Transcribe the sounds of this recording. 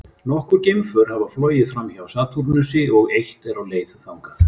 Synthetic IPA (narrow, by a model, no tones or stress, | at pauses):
nɔhkʏɾcɪmfœɾ̥havaflɔːɥjɪfɾamːçawsaːt̪ʰuɾnʏsɪɔɣejht̪ɛɾawleːjðʏθawŋkaθ